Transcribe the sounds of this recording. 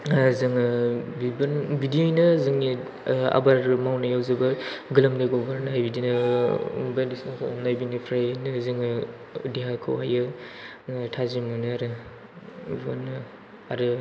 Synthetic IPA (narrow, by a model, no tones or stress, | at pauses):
zɯŋɯbibnbidiojnɯzɯŋni | a̰baɾmawnajawzɐbaɡɯlamdaɡobaɾnajbidinɯ | bajlisuŋnajbinipʰɾajanɯzɯŋɯ | diɦakʰɯ̰wɦajɯ | tʰazimɯnɯaɾɯ | bonɯ | aɾɯ